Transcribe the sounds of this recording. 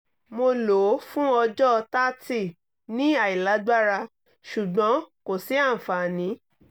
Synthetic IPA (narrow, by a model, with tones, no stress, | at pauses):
mo˧lo˨˦fũ˦ɔ˧d͡ʒɔ˦˧ta˦ti˦˨ | nĩ˦a˨i˨la˨˦ɡ͡ba˦ɾa˧ | ʃu˨ɡ͡bɔ̃˨˦ko˨si˨˦a˦˨fa˨nĩ˨˦